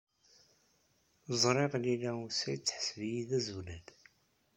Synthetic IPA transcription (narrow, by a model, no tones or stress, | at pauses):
zˤɾˤeʁlilæusæjt͡sːħə̥svijiðæzuwlæd̪